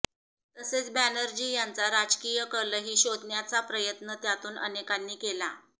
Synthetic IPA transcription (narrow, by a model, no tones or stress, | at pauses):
t̪əset͡sbænəɾd͡ʑiːjant͡saɾad͡ʑkijəkəɾləɦiːɕod̪ʱnjat͡sapɾəjət̪nət̪jat̪uːnʔə̰nekanːiːkela